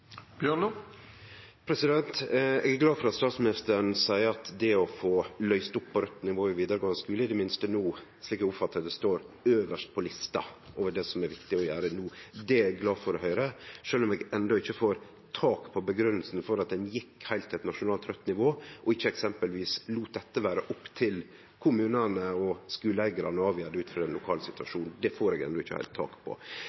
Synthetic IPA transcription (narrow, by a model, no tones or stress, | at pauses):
b̥jøɔ | pʰɾɛsɪd̪ɛnt̪ɛɡæɡlɑːd̪fɔɾɑt̪st̪ɑːt̪smɪnɪst̪əɾɳsæɪəɑt̪d̪ɛɔfoːlœʏst̪ʊpʰːɔɾœt̪ːnɪʋoːɔʋiːd̪əɾəɡɑŋskʉːləɪd̪ɛmɪnst̪ənuː | sliːkæʊpfɑt̪ːəəd̪ɛst̪oːɾøːʋəʂt̪̚pʰɔlɪst̪ɑ̰ʔoːʋəɖɛːsɔmæɾʋɪkt̪ɪɔjæːɾənuːd̪ɛɛɡlɑːdfɔɾɔhœʏɾəʂøːlɔmɛɡɛnd̪ɔɪçːəfoːɾ | t̪ʰɑːkpʰɔbəɡɾʉnːəlsn̩fɔɾɑt̪̚d̪ɛnjɪkːhæɪlt̪ʰːɛt̪nɑʂʊnɑːlt̪ʰɾœt̪ːnɪʋoːʔɔɪçːəɛksɛmpəlʋiːsluːt̪̚d̪ɛt̪ːəʋæːɾəʔɔpːt̪ʰɪl | kʰʊmʉːnənəɔskʉːləæɪɡəɾɑnəɑːʋiːəd̪əʉːt̪fɾɑɾɛnlʊkʰɑːlsɪt̪ʉʋɑʂuːnd̪ɛfoːɾɛːɡɛ̰nd̪ɔɪçːə̰hæ̰ɪlt̪ʰːɑ̰ːkpʰɔ̰